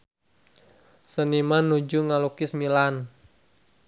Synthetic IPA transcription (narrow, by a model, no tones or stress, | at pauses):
sənimanːud͡ʒuŋalukismilan